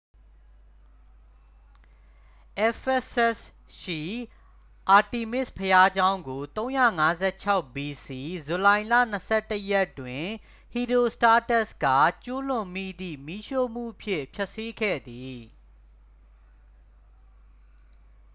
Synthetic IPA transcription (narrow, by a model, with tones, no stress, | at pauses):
ʔɛ˦fɛ˦sɛ˦s | ʃḭ˦˨ | ʔa˨ti˨mɪ˦˨spʰəja˦d͡ʑã˦ʊ̃ŋɡo˨t̪õ˦ʊ̃jä̰˦˨ŋa˦zɛ˦˨t͡ɕʰa˦ʊʔbi˨si˨zu˨lã˨ɪ̃lä̰˦˨n̥əsɛ˦˨tə˦jɛ˦˨tːwɪ̃˨ | hi˨ɾo˨sta˦tɛ˦ska̰˦˨t͡ɕu˦lʊ̃˨mḭ˦˨d̪ḭ˦˨mi˦ʃo˦˨m̥ṵ˦˨ʔpʰjɪ̃˦˨pʰjɛ˦ʔsi˦ɡʰɛ̰˦˨d̪i˨